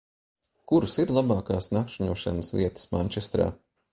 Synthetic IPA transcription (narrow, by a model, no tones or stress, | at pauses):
kuɾusiɾlˠabɑːkaːsnakʃiɲuɔʃa̰nəsvʲḭɛt̪ə̥smaɲʲt͡ʃɛst̪ɾa̰ː